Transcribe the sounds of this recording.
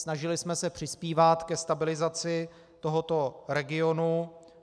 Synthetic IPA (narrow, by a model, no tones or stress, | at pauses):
snaʒɪlɪsmɛsɛpr̝̥ɪspiːvat̪kɛst̪abɪlɪzat͡sɪ | t̪o̞ɦot̪o̞ɾɛɡɪo̞nu